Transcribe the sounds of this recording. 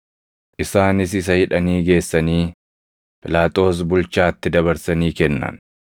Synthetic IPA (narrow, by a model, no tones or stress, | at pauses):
ʔɪsaːnɪs̬ɪs̬ɐhɪᶑɐniːɡe̞ːsːɐniː | pʼɪlaːt̪ʼo̞ːs̬bʊlt͡ʃaːt̪ːɪd̪ɐβɐɾsɐniːkɛnːɐ̰n